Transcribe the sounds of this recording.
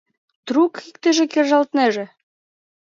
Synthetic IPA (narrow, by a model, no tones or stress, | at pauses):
t̪rukikt̪ɘ̆ʒĕkerʒɑlt̪nĕʒĕ